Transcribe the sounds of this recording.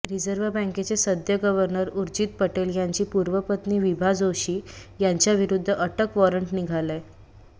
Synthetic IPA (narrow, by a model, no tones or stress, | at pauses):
ɾid͡zəɾʋəbə̃ŋket͡sesəd̪ʱjəɡəʋəɾnəɾuɾd͡ʑiːt̪̚pəʈeljaɲt͡ɕiːpuɾʋəpət̪niːʋibʱad͡zoɕiːjaɲt͡ɕjaʋiɾud̪ʱːəʔəʈəkʋɔɾəɳʈniɡʱale